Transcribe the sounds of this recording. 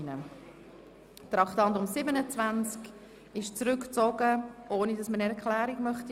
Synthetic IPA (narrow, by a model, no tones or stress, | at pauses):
nə | t̪ɾɑχtɑntʊmsɪbənət͡svænt͡sk | ɪʃt͡sɾʏkt͡sɔɡəʔoːnidɑsmənɛɾkʰlæːɾiɡmœχt